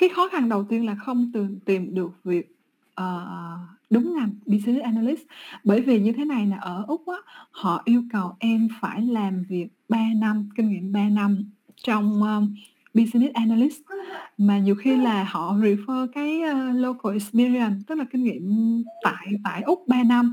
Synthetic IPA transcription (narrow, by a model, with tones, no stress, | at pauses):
kaː˨˦jxɔ˨˦xa˧˩ŋɗə˨˩wt̪i˧ənlaː˨˩xə˧wŋ͡mt̪ɨ˨˩əŋt̪i˨˩mɗɨ˨˩ək̚vi˨˩ək̚ | ʔəː˨˩ɗʊ˨˦ŋ͡mɲa˧˩mɓi˧si˧ni˦˥t̚ʔaː˧na˧li˦˥sɓəː˧˩jvi˨˩ɲɨ˧t̪ʰe˨˦na˨˩jlaː˨˩ʔəː˧˩ʔʊ˦˥k͡p̚ʔaː˨˦hɔ̰˧˨ʔi˧əwkə˨˩wʔɛ˧mfaː˧˩jlaː˨˩mvi˨˩ək̚ɓaː˧na˧mkï˧ŋ̟ŋḭ˧˨əmɓaː˧na˧m | t͡ɕɔ˧wŋ͡mʔəː˧ | ɓi˧si˧ni˦˥t̚ʔaː˧na˧li˦˥smaː˨˩ɲi˨˩əwxi˧laː˨˩hɔ̰˧˨zi˨˩fəː˧kaː˨˦jəː˧lo˧ko˧ʔi˨˧spi˧zi˧ə˨˩nt̪ɨ˦˥k̚laː˨˩kï˧ŋ̟ŋḭ˧˨əmt̪a̰ː˧˨jt̪a̰ː˧˨jʔʊ˦˥k͡p̚ɓaː˧na˧m